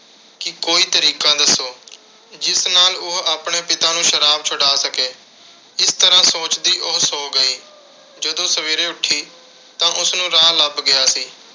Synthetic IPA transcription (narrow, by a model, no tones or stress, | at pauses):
kɪkoːiːt̪əɾiːkãːd̪əsːoː | d͡ʒɪsnaːlʊɦaːpɳeːpɪt̪ãːnũːʃəɾaːb̚t͡ʃʰʊɽaːsəkeː | ɪst̪əɾãːsoːt͡ʃd̪iːʔʊɦsoːɡəiː | d͡ʒəd̪õːsəʋeːɾeːʊʈʰːiː | t̪ãːʔʊsnũːɾaːləbɡɪjaːsiː